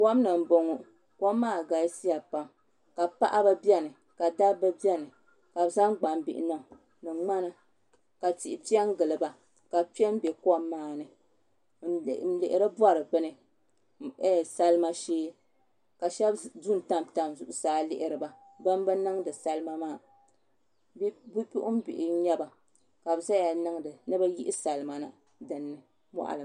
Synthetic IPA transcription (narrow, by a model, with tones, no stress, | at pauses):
kɔ˦mnɨ˨m˨bo˨ŋu˨ | kɔ˦mː˦aː˦˨ɡa˨˦si˦ja˨pa˨m | ka˨pa̰˦ʔa˦ba˦bi˦ɛ˦nɨ˨ | ka˨da˦bɨ˦bi˦ɛ˦nɨ˨ | ka˨bza˦ŋ˦ɡ͡ba˨mbi˨ʔɪ˦nɔ˦˨ | nɨ˨ŋ͡ma˦nɨ˦ | ka˨ti˨ʔɪ˨pi˦a˦ŋ˦ɡɨ˨lɨ˨ba˨ | ka˨pɛ˦m˦bɛ˨kɔ˦mːaː˦˨nɨ˨˦ | lɪ̰˨ʔɪ˦ɾɨ˦ba˦ɾɨ˨bɨ˦nɨ˨˦ | sa˦lɨ˦ma˦ʃeː˦ | ka˨ʃɛ˦bdu˦n̩˨ta˦mta˨mzʊ˨ʔʊ˦saː˨˦lɪ˦ʔɪ˨ɾɨ˨ba˨ | ba˦m˦bɨ˦nɨ˦ŋdɨ˨sa˦lma˦maː˦˨ | bbu˦pi˦ʔʊ˦m˦bḭ˨ʔɪ˨˦ɲɛ˦ba˨ | ka˨bɨ˨za˦ja˨nɨ˦ŋdɨ˨nɨ˦ba˦ji˦ʔɪ˦sa˨lɨ˦ma˨nɨ˨ | dɨ˨nːɨ˦ | mɔ̰˦ʔa̰˨lɨ˨